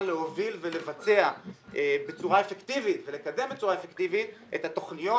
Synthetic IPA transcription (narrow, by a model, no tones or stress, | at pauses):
le̞ɦo̞vilvele̞vat͡se̞aʔebet͡suʁaefekt̪ivit̪vele̞kad̪e̞mbet͡suʁaefekt̪ivit̪ʔethat̪o̞χnijo